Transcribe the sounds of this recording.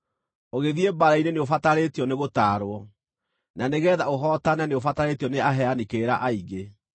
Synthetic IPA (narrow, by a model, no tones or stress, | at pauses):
oɣeðiebaɾaineneofataɾetiɔneɣotaːɾwɔ | naneɣɛːðaoɦɔːtananeofataɾetiɔneaɦɛanikeːɾaʔaiɣe